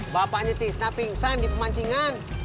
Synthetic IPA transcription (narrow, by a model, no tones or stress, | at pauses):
bapaɲat̪isnapiŋsandipəmaɲt͡ʃiŋan